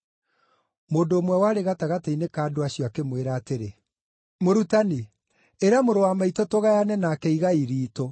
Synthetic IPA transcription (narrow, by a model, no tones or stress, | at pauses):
moːndoːmwɛwaːɾeɣataɣateinekaːdoaɕjɔakemweɾaːteɾe | moɾutani | eɾeamoɾowamaitɔtoɣajanɛnaːkɛiɣaiɾiːtɔ